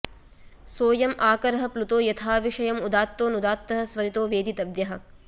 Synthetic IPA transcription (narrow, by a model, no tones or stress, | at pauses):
soːjɐmaːkɐɾɐɦɐ̆plut̪oːjɐt̪ʰaːʋiʂɐjɐmud̪aːt̪ːoːnud̪aːt̪ːɐɦɐ̆sʋɐɾit̪oːʋeːd̪it̪ɐʋjɐɦɐ̆